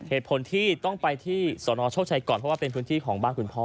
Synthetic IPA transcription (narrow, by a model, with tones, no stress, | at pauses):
heː˨˩t̪̚pʰo˩˦nt̪ʰiː˥˩t̪ɔ˥˩ŋpa˧jt̪ʰiː˥˩sɔː˩˦nɔː˧t͡ɕʰa˥˩wt͡ɕʰa˧jkɔː˨˩npʰɾɔ˥waː˥˩pe˧npʰɯː˦˥nt̪ʰiː˥˩kʰɔː˩˦ŋbaː˥˩nkʰu˧npʰɔː˥˩